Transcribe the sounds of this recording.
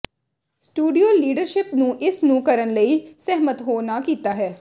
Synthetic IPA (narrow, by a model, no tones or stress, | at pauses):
sʈuːɖijoːliːɖəɾʃɪpnũːʔɪsnũːkəɾənləiːsɛɦmət̪ɦoːnaːkiːt̪aːɦɛː